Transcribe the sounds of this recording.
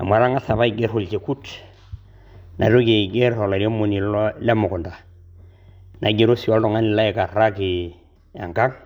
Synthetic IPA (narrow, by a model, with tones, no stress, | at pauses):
a̰˨mʷa˨ɾa˦ŋa˦sa˨βa˦i˨ɡɛ˦ɾhu˨lt͡ʃe˨ku˦t | nʔa̰˨ɾo˦ke˨ɡɛ˦ɾɔ˨la˨ɾi˦o˦mo˨ni˨llɛ˦mʊ˨kʊ˨nda˨ | na˨ɡe˦ɾo˦si˨wa˦ldɔ˨ŋa˦ni˨la˦i˨ka˨a˦ki˨ | ja̰˨ŋka˦ŋ